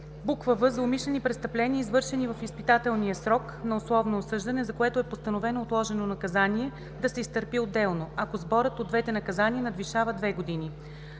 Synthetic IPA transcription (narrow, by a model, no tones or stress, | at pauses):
bukvəvɤzɐomiʃlɛnipɾɛtst̪ɐplɛniəizvɤɾʃɛnivɐfispit̪at̪ɛlˠniəsɾɔk | nɐoslˠɔvnoːsɤʒd̪ɐnɛzɐkoɛt̪oɛpost̪ɐnovɛnoːt̪lˠɔʒɛnonɐkɐzaniɛ | d̪ɐsɛist̪əɾpiod̪ːɛlˠnoɐkozbɔɾət̪od̪vɛt̪ɛnɐkɐzaniənɐd̪viʃavəd̪vɛɡod̪ini